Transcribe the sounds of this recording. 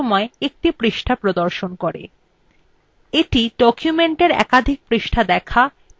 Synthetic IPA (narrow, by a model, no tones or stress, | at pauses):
ɔmɔeek̚ʈipɾiʃʈʰapɾod̪oɾʃonkoɾḛ | eʈiɖɔkjumeɳʈeɾɛ̰kad̪ʱik̚pɾiʃʈʰad̪ɛkʰa